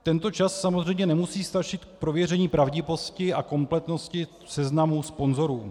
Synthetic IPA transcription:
t̪ɛnt̪o̞t͡ʃasːamozr̝ɛjmɲɛnɛmusiːst̪at͡ʃɪt̪k̚pɾo̞vjɛr̝ɛɲiːpɾavɟɪvo̞scɪʔako̞mplɛt̪no̞scɪ | sɛznamuspo̞nzo̞ɾuː

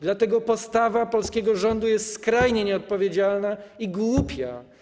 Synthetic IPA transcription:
d̪lat̪ɛɡɔpɔst̪avapɔlskʲɛɡɔʐɔnd̪ujɛst̪skɾajɲɛɲɛɔt̪̚pɔvʲjed͡ʑalnaiɡwupʲja̰

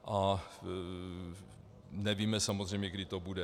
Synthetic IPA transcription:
ʔa | nɛviːmɛsamozr̝ɛjmɲɛɡdɪt̪obudɛ

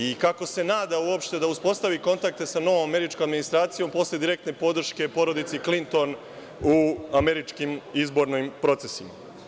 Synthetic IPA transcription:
ikako̞se̞naːd̪auopʃt̪e̞d̪auspo̞st̪aʋiko̞nt̪ak̚t̪e̞sano̞ʋomame̞ɾit͡ʃkomad̪minist̪ɾaːt̪sijõ̞mpo̞slje̞d̪iɾe̞k̚t̪ne̞po̞d̪ɾ̩ʃke̞po̞ɾo̞d̪it̪siklint̪o̞n | uame̞ɾit͡ʃkimizbo̞ɾnojmpɾo̞t̪se̞sima

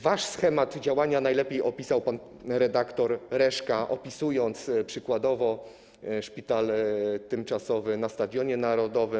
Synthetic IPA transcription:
vaʂsxɛmad̪d͡ʑawaɲanajlɛpʲjejʔɔpʲisawpan | ɾɛd̪akt̪ɔɾɾɛʂkaʔɔpʲisujɔnt̪spʂɘkwad̪ɔvɔ | ʂpʲit̪alt̪ɘmt͡ʂasɔvɘnast̪ad̪ʲjɔɲɛnaɾɔd̪ɔvɘ

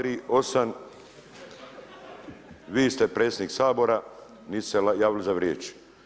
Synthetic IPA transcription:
ɾiːosan | ʋiːst̪epɾet̪sjed̪niːksaːbo̞ɾa | niːsseljaːʋilizaʋɾjeːt͡ʃ

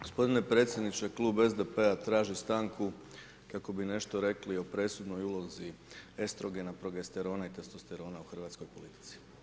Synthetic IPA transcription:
ɡ̥o̞spo̞d̪inepɾe̞t̪sʲje̞d̪nit͡ʃe̞klˠuːbezd̪epe̞at̪ɾaːʒist̪aːŋku | kako̞bine̞ʃt̪o̞ɾe̞klio̞pɾe̞sud̪nojulˠo̞zie̞st̪ɾo̞ɡenapɾo̞ɡest̪eɾo̞ːnait̪est̪ost̪eɾo̞ːnauxr̩ʋat̪skojpo̞lit̪i̥t̪si̥

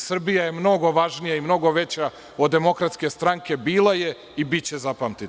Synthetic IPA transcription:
sr̩bijaje̞mno̞ɡo̞ʋaʒnijaimno̞ɡo̞ʋe̞t͡ɕa | o̞d̪ːe̞mo̞kɾat̪ske̞st̪ɾaŋke̞biːlˠaje̞ | ibitt͡ɕe̞zapamt̪i

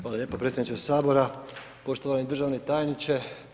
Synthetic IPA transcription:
xʋaːlaʎeːpopɾet̪sʲjed̪nit͡ʃesaːbo̞ɾa | po̞ʃt̪oʋanid̪r̩ʒaʋnet̪aːjnit͡ʃe̞

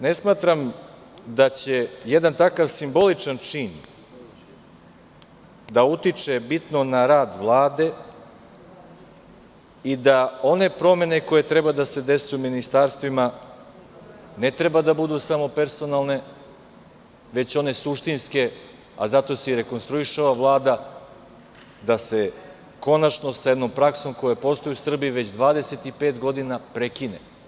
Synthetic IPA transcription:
ne̞smaːt̪ɾam | d̪at͡ɕe̞jed̪ant̪akaʋsimbo̞lit͡ʂant͡ʂiːn | d̪aut̪it͡ʂe̞bit̪nonaɾaːd̪ʋlˠaːd̪e̞ | id̪ao̞ne̞pɾo̞me̞ne̞ko̞je̞t̪ɾe̞bad̪ase̞d̪e̞suminist̪aːɾst̪ʋima | ne̞t̪ɾe̞bad̪abud̪usamo̞pe̞ɾso̞nalˠne̞ | ʋe̞t͡ɕo̞ne̞suʃt̪inske̞ | a̰zat̪o̞siiɾe̞ko̞nst̪ɾuiʃaaʋlˠaːd̪a | d̪ase̞ | ko̞nat͡ʃnosajd̪no̞mpɾakso̞mko̞japo̞st̪o̞jusr̩biːʋe̞t͡ɕd̪ʋaːd̪e̞se̞t̪ipe̞ːt̪ɡo̞d̪inapɾe̞kinḛ

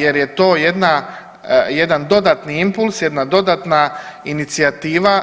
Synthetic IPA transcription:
je̞ɾjet̪o̞ːje̞d̪na | jed̪and̪o̞d̪aːt̪niimpulˠsjed̪nad̪o̞d̪aːt̪nainit̪siat̪iːʋa

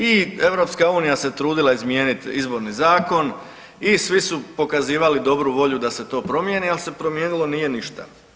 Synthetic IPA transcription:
ie̞ʋɾo̞pskauːnijase̞t̪ɾuːd̪ilˠaizmje̞ːnit̪izbo̞ɾnizaːko̞n | isʋisupo̞kaziːʋalid̪o̞bɾuʋo̞ʎud̪ase̞t̪oːpɾo̞mjenialˠse̞pɾo̞mjeːnilo̞nije̞niʃt̪a̰

